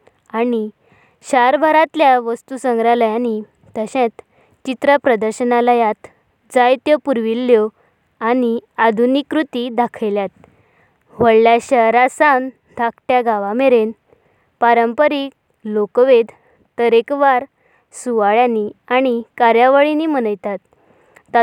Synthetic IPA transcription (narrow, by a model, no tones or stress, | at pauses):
ani | ɕaɾbʱaɾat̪ljaʋəst̪usəŋɡɾaləjani | t̪əɕẽt̪ | t͡ɕit̪ɾəpɾəd̪əɾɕənalajat̪ | d͡zajt̪jəpuɾʋilːjɔ | aniad̪ʱunikɾut̪id̪akʰəjljat̪̚ | ʋəɭljaɕəɾasan | d̪ʱakʰʈjaɡaʋameɾen | paɾəmpəɾik | lokʋed̪ʱ | t̪əɾekʋaɾ | suʋaɭjaniañikaɾjaʋəɭinimənəjt̪at̪̚ː | a